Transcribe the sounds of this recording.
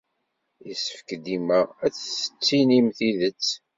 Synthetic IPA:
jəsə̥fəkd̪iməʁæt͡sːə̥t͡sːinimθiðət͡sː

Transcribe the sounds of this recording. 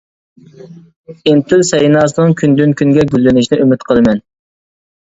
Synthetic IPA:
int̪ʰɪlsɛjinɑːsɨnɨŋkʲʰynd̪ynkʲʰyŋɡʲɛɡʲylːɪnɪʃnɪʔymɪt̪qʰəlˠɨmɛn

